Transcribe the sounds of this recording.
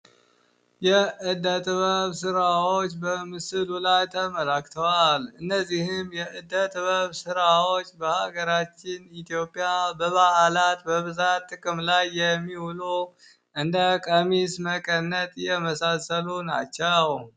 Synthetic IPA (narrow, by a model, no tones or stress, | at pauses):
jɛʔɨd̪ːət̪ʼβəβsɨɾawot͡ʃːbəmɨsɨlulajt̪ʰəməlakt̪ʰəwalɨnːəzːihɪmjɛʔɨd̪ːət̪ʼβəβsɨɾawot͡ʃːbəhaɡəɾat͡ʃːɪnit̪ʰjo̞pʼjabəβaʔalat̪bəβɨzat̪ːɨkʼɨmlajːɛmːihulu | ʔɨnd̪əkʼəmisməkʼənːət̪ʼjɛməsasəluna̰t͡ʃːɛw